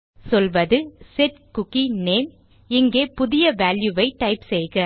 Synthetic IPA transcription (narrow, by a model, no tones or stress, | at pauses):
sɔlʋɐðɯsɛʈkʊkːineːm | ɪŋɡeːpʊðɪjɐʋaːljuʋɐɪʈːɐɪpsɛjɣɐ